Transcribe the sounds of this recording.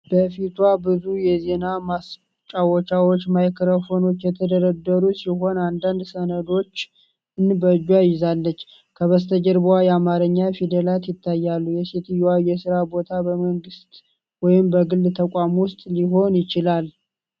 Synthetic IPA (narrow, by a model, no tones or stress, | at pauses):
b̥əfit̪ʰwabɨzujɛze̞namas | t͡ʃʼːawɔt͡ʃawot͡ʃːmajkʰɾəfo̞no̞t͡ʃːjɛt̪ʰəd̪əɾəd̪ːəɾusiɦo̞nand̪and̪sənəd̪o̞t͡ʃː | ɨnbəd͡ʒwajɪzalːət͡ʃː | kʰəβəst̪ʰəd͡ʒəɾbwajɛamaɾəɲːafid̪əlat̪jɪt̪ʰːajːalːujɛset̪jwajɛsɨɾabo̞t̪ʰabəməŋɡɨst̪ | wɔjɪmbəɡɨld̪t̪ʰəkʷʼamwʊst̪ʼliɦo̞njɪt͡ʃɪlal